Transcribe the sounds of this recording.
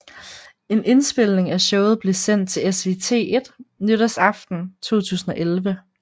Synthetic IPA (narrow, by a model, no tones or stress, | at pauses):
e̝nʔe̝nsb̥e̝l̰ne̝ŋæɕɔʊð̞̩ˠb̥le̝sen̰d̥̚t͡sʰe̝lesʋe̝̰t͡sʰe̝̰ːe̝d̥nøɾæsɑ̈fd̥n̩t͡sʰo̝̰ːt͡sʰṵːsn̩ɒ̽ʔelʋə